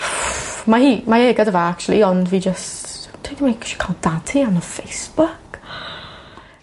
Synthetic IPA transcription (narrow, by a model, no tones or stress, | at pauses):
mahimajɛːɡədəvaak̚t͡ʃulˠḭɔnvid͡ʒəsttʰẽntəmekʰʃi̥kʰãnd̥atʰiãnəfeɪsb̥ʊk